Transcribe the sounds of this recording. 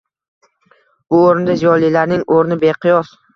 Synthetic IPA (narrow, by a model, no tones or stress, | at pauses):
b̥ʊoɾɪnd̪azijɒlilaɾnɪŋoɾnɪbeqʰɨjɒs